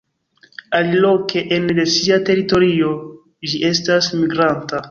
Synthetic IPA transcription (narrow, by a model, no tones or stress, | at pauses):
alilo̞kʰe̞ʔendesiate̞ɾito̞ɾio̞ | d͡ʒiʔe̞stasmiɡɾanta